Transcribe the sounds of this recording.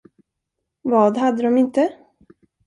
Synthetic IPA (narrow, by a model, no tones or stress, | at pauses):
vɑːd̪ɦad̪ːəd̪ɔmɪnt̪ə